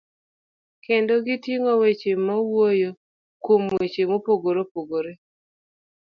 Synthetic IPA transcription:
kendoɡitiŋɔwet͡ʃemawojo | kwomwet͡ʃemopoɡoɾopoɡoɾe

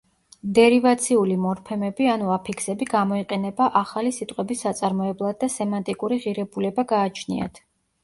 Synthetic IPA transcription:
d̪ɛɾivat̪sʰiulimɔɾpʰɛmɛbianuapʰikʰsɛbiɡamɔiqʼɛnɛbaʔaχalisit̪ʼqʼɛbisːat̪sʼaɾmɔɛblˠad̪̚ːasɛmant̪ʼikʼuɾiʁiɾɛbulɛbaɡaːt͡ʃʰnḭa̰t̪ʰ

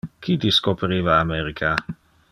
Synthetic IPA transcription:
kʰit̪iskopeɾiːvaːmeɾikʰa

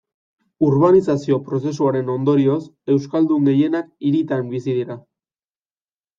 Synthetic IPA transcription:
uɾβanisasio̞pɾo̞se̞suaɾe̞no̞nd̪o̞ɾio̞se̞wskald̪uŋɡe̞je̞nak̚iɾit̪ambisiðiɾa

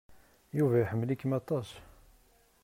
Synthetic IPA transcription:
juvæjħəmːlikːəmɑt̪ˤɑs

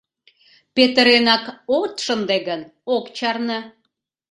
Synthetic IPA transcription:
pet̪əɾenɑkot̪ʃənd̪eɡən | okt͡ɕɑrnə

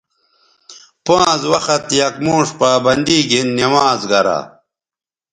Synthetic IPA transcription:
pãːzwɐxɐt̪jɐkmoːʂpaːbɐnd̪iːɡʱinːimaːzɡɐɾa̰

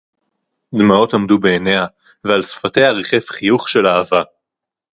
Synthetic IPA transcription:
d̪mao̞tamdube̞ːneha | vealsfate̞jaʁiχefχijuχʃe̞laːva

